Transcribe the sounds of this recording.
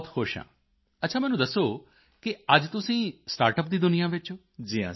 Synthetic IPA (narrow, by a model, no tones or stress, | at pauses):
t̪ʰhoːʃã̰ː | ɐtːʃʰaːmɛːnũːd̪əsoː | kɪəd͡ʒt̪ʊsĩːsʈaːɾʈəp̚d̪iːd̪ʊnijãːʋɪt͡ʃo | d͡ʒiːã̰ː